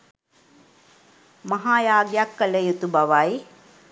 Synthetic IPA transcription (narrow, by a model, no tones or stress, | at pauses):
mɐɦaːjaːɡjakːələjut̪ubaʋaj